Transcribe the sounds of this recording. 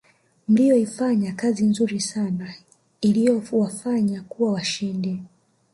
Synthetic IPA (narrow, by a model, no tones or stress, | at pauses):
m̩lijɔifaɲakazinzuɾisana | ilijɔwafaɲakuwawaʃindɛ